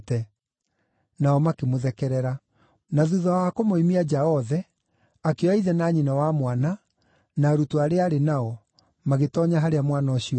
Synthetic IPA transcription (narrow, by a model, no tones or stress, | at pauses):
tɛ | naɔmakemoðɛkɛɾɛɾa | naðuðaakomoimiad͡ʑaɔðɛ | akeɔaiðɛnaɲinawamwana | naɾutoaɾeaɾenaɔ | maɣetɔɲaɦaɾeamwanaɔɕiɔ